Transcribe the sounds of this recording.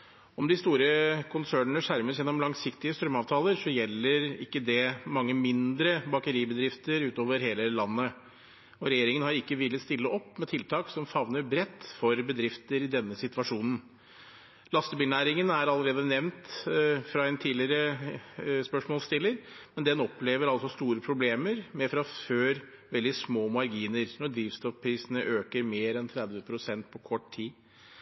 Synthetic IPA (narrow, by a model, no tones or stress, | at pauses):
ɔmd̪ɪst̪uːɾəkʰʊnsæːɳənəʂæɾməsjɛnːɔmlɑŋsɪkt̪ɪəst̪ɾœmɑːʋt̪ʰɑːləɾʂɔjɛlːəɾɪ̰kːəd̪ɛmɑŋːəmɪnd̪ɾəbɑkəɾiːbəd̪ɾɪft̪əɾʉːt̪oːʋəɾɦeːləlɑnːə | ɔɾɛjeːɾɪŋənhɑɾɪkːəʋɪlːəst̪ɪlːəɔpːmɛt̪ʰɪlt̪ʰɑːksɔmfɑʋnəɾbɾɛt̪ːfɔɾbəd̪ɾɪft̪əɾɪd̪ɛnːəsɪt̪ʋɑʂuːnən̩ | lɑst̪əbɪlnæːɾɪŋənæɾɑlːəɾeːd̪ənɛʋnt̪fɾɑɛnt̪ʰiːdlɪɾə | spœʂmɔːlst̪ɪlːəɾmɛnd̪ɛnɔpleːʋəɾɑlsɔst̪uːɾəpʰɾʊbleːməɾmɛfɾɑføːɾ | ʋɛld̪ɪsmoːmɑɾɡiːnəɾnɔd̪ɾiːʋst̪ɔfpʰɾiːsənəʔøːkəɾmeːɾɛnt̪ʰɾɛd̪ʋəpʰɾʊsɛnt̪pʰɔkʰɔʈt̪ʰiː